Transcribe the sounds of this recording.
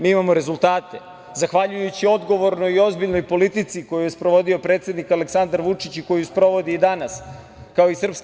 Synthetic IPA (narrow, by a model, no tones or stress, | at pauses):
miːimamo̞ɾe̞zulˠt̪aːt̪e̞ | zaxʋaʎujut͡ɕio̞d̪ɡo̞ʋo̞ɾnojio̞zbiʎnojpo̞lit̪it̪siko̞jujespɾo̞ʋo̞d̪io̞pɾet̪se̞d̪nikaleksand̪aɾʋut͡ʂit͡ɕiko̞juspɾo̞ʋo̞d̪iːd̪anas | kao̞isr̩ps